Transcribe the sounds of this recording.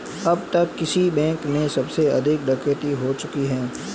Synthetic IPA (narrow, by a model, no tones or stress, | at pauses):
ɐb̚t̪ɐkːɪsibɛ̃ːŋkmẽsɐbseɐ̰d̪ʱɪk̚ɖɐkəʈ̪iɦot͡ʃʊkiɦɛː